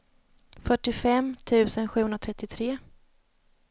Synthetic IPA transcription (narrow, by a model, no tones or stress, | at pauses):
fœʈːɪfɛmt̪ʰʉ̟ːsənɧʉ̟ːhɵnɾat̪ʰɾɛt̪ːɪt̪ʰɾeː